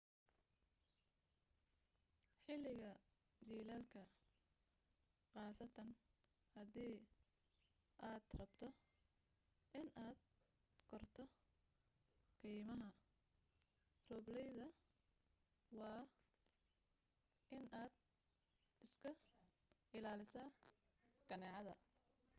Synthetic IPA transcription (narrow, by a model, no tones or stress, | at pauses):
ħɪlɪɣɐ | d͡ʒiːlaːlkʰɐ | qɑːsɐt̪ʰɐn | hɐðiː | ʔaːd̪̥rɐbt̪ʰɔ | ʔɪnaːd̪̚ | kʰɔrt̪ʰɔ | kʰɛjmɐɦɐ | rɔːblɛjðɐ | wɑː | ʔɪnaːd̪ | ɪskʰɐ | ɪlaːlɪsaː | ɡ̥ɐnɛːʕɑðɐ̰